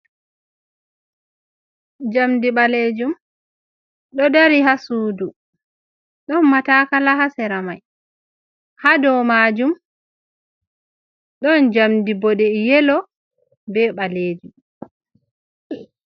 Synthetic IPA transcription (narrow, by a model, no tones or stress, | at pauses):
d͡ʒamdiɓaled͡ʒum | ɗɔdaɾiɦasuːdu | ɗɔnmatakalaɦasɛɾamaj | hadɔmaːd͡ʒum | ɗɔnd͡ʒamdibɔɗɛjɛlɔ | bɛɓaleːd͡ʒum